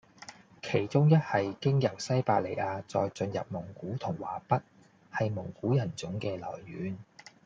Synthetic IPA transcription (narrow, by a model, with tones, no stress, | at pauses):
kʰe˨˩jt͡sʊ˥ŋjɐ˥t̚hɐ˨jkɪ˥ŋjɐ˨˩wsɐ˥jpaː˧le˨˩jaː˧t͡sɔ̰ː˧jt͡sɵ˧njɐ̰˨p̚mʊ˨˩ŋkuː˨˥t̪ʰʊ˨˩ŋwa̰ː˨˩pɐ˥t̚ | hɐ˨jmʊ˨˩ŋkuː˨˥jɐ˨˩nt͡sʊ˨˥ŋkɛː˧lɔ̰ː˨˩jːyː˨˥n